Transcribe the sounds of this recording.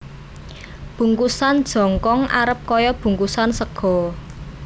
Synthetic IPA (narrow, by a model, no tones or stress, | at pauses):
b̥ṳŋkusand̥ʒ̥ɔ̤ŋkɔŋʔa̰ɾəp̚kɔjɔb̥ṳŋkusansəɡ̥ɔ̤